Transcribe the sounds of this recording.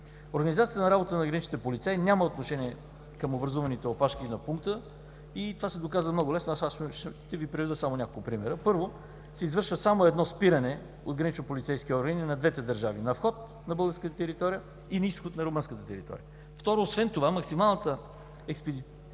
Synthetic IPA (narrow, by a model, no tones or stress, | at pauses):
oɾɡənizat̪siət̪nɐɾabot̪ənɐɡɾɐnit͡ʃnit̪ɛpolit̪sainʲaməot̪noʃɛniɛ | kɐmobɾɐzuvɐnit̪ɛopaʃkinɐpuŋk̚t̪ə | it̪ovasɛd̪okazvəmnɔɡʊlɛsnʊasaʃt̪ɛvipɾɛvid̪əsamonʲakolˠkʊpɾimɛɾəpɤɾvo | sɛizvɤɾʃvəsamoɛd̪nɔspiɾɐnɛ | od̪̚ɡɾɐnit͡ʃnopolʲit̪sɛjskʲiɔɾɡəninɐd̪vɛt̪ɛd̪ɐɾʒavinɐfxɔt̪̚ | nɐbɤlˠɡəɾskət̪ət̪ɛɾit̪ɔɾijə | inɐisxot̪̚nɐɾomɤnskət̪ət̪ɛɾḭt̪ɔ̰ɾḭə | ft̪ɔɾoːsvɛnt̪ovamɐksimalˠnət̪ə | ɛkspɛd̪i